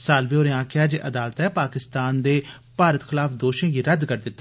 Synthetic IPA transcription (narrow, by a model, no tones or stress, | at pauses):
saːlʋiːoːɾẽãːkɪaːd͡ʒeːʔəd̪aːlət̪ɛːpaːkɪst̪aːnd̪eː | paːɾət̪xʰɪlaːfd̪oːʃẽːɡiːɾəd̪kəɾd̪ɪt̪ː